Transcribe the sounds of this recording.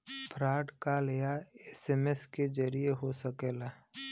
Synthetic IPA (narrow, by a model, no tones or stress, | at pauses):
pʰɾaːʈkalijaeseːmesked͡ʒəɾijeɦosəkeːlaː